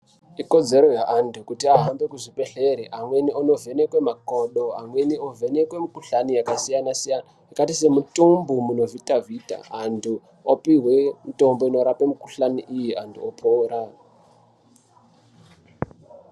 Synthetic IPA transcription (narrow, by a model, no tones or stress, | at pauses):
iko̞d͡ze̞ɾojaʔantʰukutiaɦambe̞kuʐipe̞ɬeɾiʔamweniono̞vʱe̞ne̞kwe̞makoɗoamwe̞niove̞ne̞kwe̞mikuɬanijakasijanasijana | ikatise̞mutumbumuno̞vitavita̰antʰu | opiɦwemuto̞mbo̞ino̞ɾapemukuɬaniʔijiantʰṵopʰoːɾa